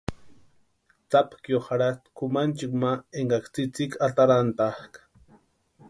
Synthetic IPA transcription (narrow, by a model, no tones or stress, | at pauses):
t͡sapkjoχaɾat̪kʊmant͡ʃɪkmaeŋɡakt͡sit͡sɪkʰat̪aɾant̪aχk